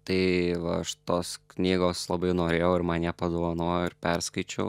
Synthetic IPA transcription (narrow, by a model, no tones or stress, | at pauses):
t̪ɐɪʋɐɐʃt̪oːsknʲiːɡoːslˠɐbɐɪnoːɾʲeːjɛʊɪɾmɐnʲɛpɐd̪oːʋɐnoːjoɪɾpʲɛɾskɐɪt͡ʃʲɛʊ